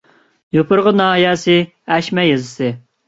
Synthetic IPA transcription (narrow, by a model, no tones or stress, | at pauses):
jopʰʊɾʁənɑːɦjɑːsɨ | æʃmɛjɨzɨsɨ